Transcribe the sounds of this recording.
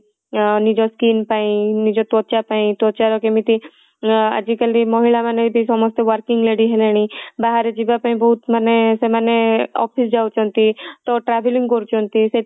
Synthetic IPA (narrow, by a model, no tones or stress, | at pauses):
nid͡ʒɔskiːnpaĩnid͡ʒɔt̪ɔt͡ʃapaĩt̪ɔt͡ʃaɾɔkemit̪i | ə̰d͡ʒikəlimɔɦilamaneb̪ʱisɔmɔst̪eʋəɾkiŋɡleɽiɦeleɽ̃ibaɦaɾed͡ʒibapaĩbɔɦut̪manesemaneɔ̰pʰisd͡ʒaut͡ʃɔnt̪it̪ɔʈɾabʱiliŋɡkɔɾt͡ʃʰɔnt̪ise